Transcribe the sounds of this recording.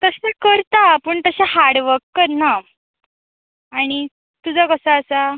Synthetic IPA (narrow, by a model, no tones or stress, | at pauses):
t̪əsakəɾt̪apəːɳt̪əɕaɦaɽʋəkːəɾna | ɽ̃i | t̪ud͡zakəsaəsa